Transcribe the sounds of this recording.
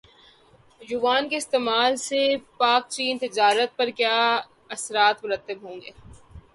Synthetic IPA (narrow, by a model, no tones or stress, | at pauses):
juːʋaːnkeɪst̪eːmaːlsepaːk̚t͡ʃiːnt̪ɪd͡ʒaːɾət̪̚pɐɾkjaː | ɐsɾaːt̪mʊɾət̪ːəbɦõːŋɡeː